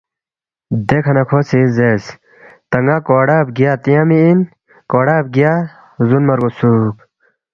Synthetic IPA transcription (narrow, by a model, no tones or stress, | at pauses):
d̪ekʰɐnakʰoːsizes | t̪ɐŋɡaːkoːɽaːbɡijat̪ijamiin | koːɽaːb̚ɡijaː | zunmɐɾɡosuːk